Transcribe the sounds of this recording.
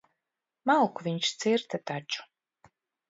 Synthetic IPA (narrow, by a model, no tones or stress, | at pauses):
mawkuvʲiɲʃt̪siɾt̪at̪at͡ʃu̥